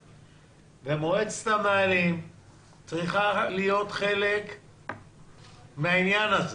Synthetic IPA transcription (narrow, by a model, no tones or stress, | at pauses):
vemoet͡se̥t̪amealim | t͡sʁiχalijo̞t̪χe̞lek | meainjanaze